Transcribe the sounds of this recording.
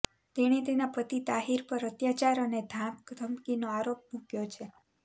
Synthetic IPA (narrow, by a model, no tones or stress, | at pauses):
t̪eɽ̃it̪enapət̪it̪aɦiɾpəɾət̪jat͡ʃaɾəned̪ʱãmkd̪ʱəmkinoaɾop̚mũkjot͡ʃʰe